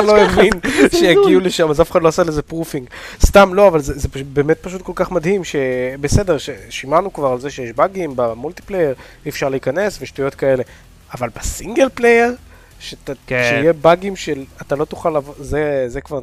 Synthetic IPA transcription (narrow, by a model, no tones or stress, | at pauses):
loeminʃejaɡiuleʃamazafeχad̪loasalezepʁufiŋɡst̪amlo̞avalzezepbe̞ːmet̪̚paʃ̬ut̪̚ko̞lkaχmad̪himʃe̞bese̞de̞ʁʃeʃimanukvaʁalze̞ʃejeʃbaɡimbamult̪i̥plejeʁ | iːfʃaʁleikane̞sveʃtujo̞tkae̞le̞ | avalbesiŋɡelplejeʁ | ʃetaʃeijebaɡimʃelat̪alo̞t̪u̥χalavozezekvaʁ